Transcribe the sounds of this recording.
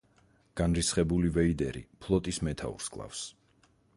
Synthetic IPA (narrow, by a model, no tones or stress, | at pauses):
ɡ̥anɾisχɛbulivɛid̪ɛɾḭpʰlˠɔt̪ʼismɛt̪ʰa̰ṵɾskʼlˠa̰fs